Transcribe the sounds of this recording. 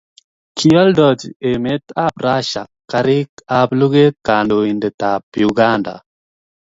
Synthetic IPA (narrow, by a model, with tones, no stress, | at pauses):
kʰi˦ɔ˦ldɔ˨d͡ʒe˨me˦t̪a˦bɾa˦ʃa̰˨ka˦ɾɪ˦ka˦blu˦ɡe˦ka˨ndo˨i˨ndɛ˨ta˨pju˨ɡa˦nda̰˨